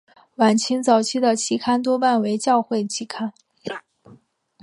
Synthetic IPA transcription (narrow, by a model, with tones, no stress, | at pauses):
wa˨˩nt͡ɕʰi˥ŋt͡sɑ˨˩ʊt͡ɕʰi˥d̪ə˨t͡ɕʰi˥˩kʰa˥nt̪wɔ˥pa˥˩nwe˧˥ɪt͡ɕjɑ˥˧ʊxwe˥˩ɪt͡ɕʰi˥˩kʰa˥n